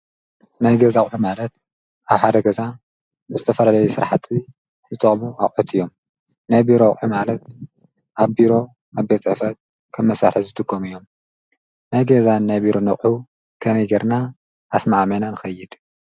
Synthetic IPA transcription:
najɡɐzaχʼħumalɐt̪̚ | aβħad̪ɐɡɐza | ɨzɨt̪ʰɐfɐlalɐjusɨɾħat̪ʰi | zɨt̪ʼɐχʼmua̰χʼħut̪ʰɨjːo̞m | najbiɾoχʼħumalɐt̪ | ʔaβbiɾo̞ | aβbet͡sʼɨʕfɐt̪̚ | kʰɐmːɐsaɾɨzɨt̪ʼɨɡomijːo̞m | najɡɐzanːajbiɾo̞nɐχʼħu | kʰɐmejɡɐɾnaː | smaʕmɐnanɨxɐjːɪd̪̥

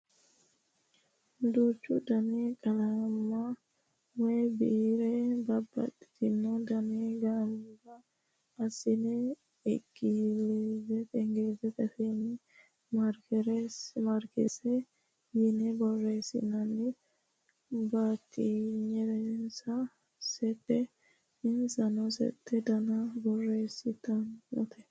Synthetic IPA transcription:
nd̪ut͡ʃːṵdanikʼalama | wɛbḭɾɛbabːa̰tit̪inːɔdaniɡambaː | sinɛː | ɡilɛzɛtɛŋɡɛzɛtɛfɛni | mɐɾkɛɾɛsmɐɾkɛ̰sɛ | jɪnɛbɔrːeːsɪ̰nɐnːɛ | bat̪ːiɲɛɾɛnnsɐ | sɛt̪ːɛ | ɪnsɐnɔsɛ̰t̪ʰːɛd̪ɐnɐbɔrːeːsɪt̪ːɐnːɔ̰t̪ʰɛ̥

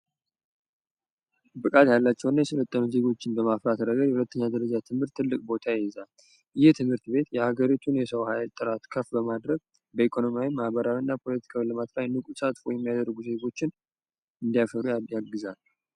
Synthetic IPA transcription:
bɨkʼat̪jalːat͡ʃːɛwnːajɛsələt̪ʼːənuze̞ɡo̞t͡ʃːɪnbəmafɾat̪ɾəɡəɾjɛhulət̪ːəɲːad̪əɾəd͡ʒat̪ʰɨmhɨɾt̪ʰːɨlːɨkʼbo̞t̪ʰajɛɛzal | ɪjɛt̪ʰɨmhɨɾt̪be̞t̪jɛhaɡəɾit̪ʰunjɛsəwhajlt̪ʼːɨɾat̪kʰəfbəmad̪ɾəɡ | bəikʰo̞no̞mijawimahbəɾawinːapʰo̞lət̪ʰi̥kʰawiləmat̪lajnːɨkʼusat̪fojɛmːijad̪əɾrːɡuze̞ɡo̞t͡ʃːɪn | ɨnd̪ijafəɾujjaɡːɨzal

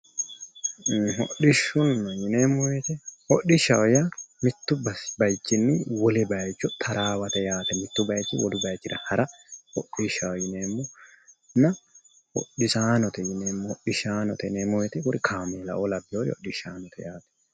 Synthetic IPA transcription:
ɦɔɗɪʃːʊnːɔjɪneːmɔwɛt̪ɛhɔɗɪʃɐwjamɪt̪ːʊbɐsbɐjt͡ʃːɪnːɪwɔlɛbɐjt͡ʃːɔt̪ʰɐɾaːwɐt̪ɛjaːt̪ɛmɪt̪ːʊbɐjt͡ʃːɪwɔd̪ʊbɐjt͡ʃːɪd̪ɐhɐɾɐhɔɗɪʃɐwjɪneːmːɔ | nɐ | hɔ̰ɗɪsaːnɔt̪ɛjɪneːmːɔhɔɗɪʃaːnɔt̪ɛneːmɔwɛt̪ɛkʊɾɪkʰaːmeːlɐ̰ʔɔlɐbɪoːɾhɔ̰ɗɪʃaːnɔt̪ʰɛjaːt̪ɛ̥

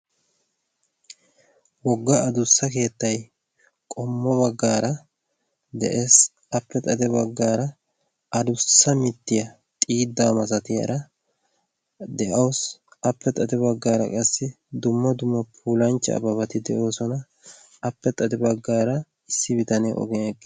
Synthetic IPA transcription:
wɔɡːɐʔɐd̪ʊsːɐke̞ːt̪ːɐj | kʼɔmːɔbɐɡːaːɾɐ | d̪ɛ̰ʔeːs | ɐpːɛt̪ʼɐd̪ɛbɐɡːaːɾɐ | ɐd̪ʊsːɐmɪt̪ːɪjɐ | t̪ʼiːd̪ːaːmɐsɐt̪ɪjɐ̰ɾɐ | d̪ɛʔɐwɔsɐpːɛt̪ʼɐd̪ɛbɐɡːaːɾɐ̰kʼɐsːɪ | d̪ʊmːɐd̪ʊmːɐpʰuːlɐnt͡ʃːɛ̰ɐ̰bɐβɐt̪ɪd̪ɛʔo̞ːsɔnɐː | pːɛt̪ʼɐd̪ɛbɐɡːaːɾɐ | ɪsːɪbɪt̪ɐnɛʔɔ̰ɡɛnɛkʼːɪ

